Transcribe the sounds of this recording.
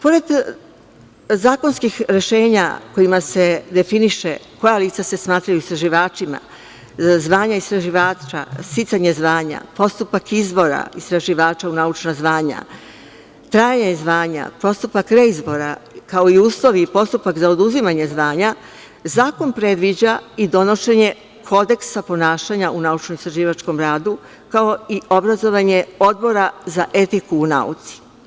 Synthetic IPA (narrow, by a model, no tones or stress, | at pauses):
po̞ɾe̞d̪ | zaːko̞nskixɾe̞ʃe̞ːɲa̰ko̞imase̞d̪e̞finiʃe̞ko̞jaliːt̪sase̞smaːt̪ɾajuist̪ɾaʒiʋaːt͡ʃima̰ | zʋaːɲaist̪ɾaʒiʋaːt͡ʃa̰sit̪saɲezʋaːɲa̰po̞st̪upakizbo̞ɾa̰ist̪ɾaʒiʋaːt͡ʃaunaut͡ʃnazʋaːɲa̰ | t̪ɾaːjaɲazʋaːɲa̰po̞st̪upakɾe̞izbo̞ɾa̰kao̞iuːslˠo̞ʋipo̞st̪upakzao̞d̪uzimaɲe̞zʋaːɲa | zaːko̞npɾe̞d̪ʋid͡ʑaid̪o̞no̞ʃe̞ɲe̞ | kʰo̞d̪e̞ksapo̞naːʃaɲaunaut͡ʃnomist̪ɾaʒiːʋat͡ʃko̞mɾaːd̪u | kao̞io̞bɾazo̞ʋaɲe̞o̞d̪̚bo̞ɾazaʔe̞t̪ikuːna̰ṵt̪si̥